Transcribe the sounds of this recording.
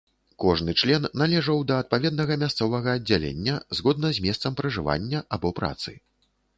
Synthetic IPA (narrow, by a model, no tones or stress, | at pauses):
kɔʐnɨt͡ʂlʲɛnːalʲɛʐɐwd̪ɐːt̪̚pavʲɛd̪̚nɐɣɐmʲast̪sɔvɐɣɐːdd͡zʲːalʲḛnʲːɐzɣɔd̪nɐzʲmʲɛst̪sɐmpɾɐʐɨva̰nʲːɐʔabɔpɾa̰t̪sɨ